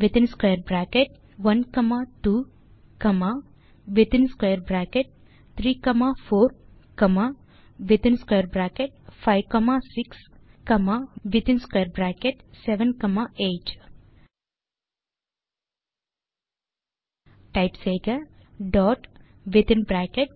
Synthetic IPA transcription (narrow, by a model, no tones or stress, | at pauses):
ʋɪt̪ɪnskwejəɾbɾakeʈ̚ | ʋɐnkɐmaʈuː | kɐma | ʋɪt̪ɪnskejəɾbɾakeʈ̚ | t̪ʰɾiːkɐmafoːɾ | kɐma | ʋɪt̪ɪnskwejəɾbɾaːkeʈ̚fʰaɪʋkɔmasɪks | kɐmaʋɪt̪ɪ̃nskwejəɾbɾaːkeʈseʋənkɐmaeːʈ | ʈaɪpseːɡəɖɔːʈ | ʋɪt̪ɪnbɾaːkeʈ̚